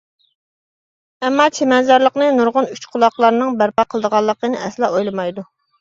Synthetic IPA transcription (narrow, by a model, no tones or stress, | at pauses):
ɛmːɑːt͡ʃʰemɛnzɑɾlˠəqnɨnuɾʁʊnyt͡ʃqʰʊlˠɑqlˠɑɾnɨŋbæɾpɑqʰəlˠd̪əʁɑlˠːəqənɨɛslˠɑojlˠɨmɑjd̪u